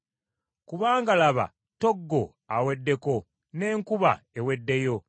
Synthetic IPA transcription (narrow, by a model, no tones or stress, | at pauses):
kuβaːŋɡalaβa̰ | to̞ɡːo̞ | awe̞dːe̞ko̞ | ne̞ːŋkuβa̰ewe̞dːe̞jo̞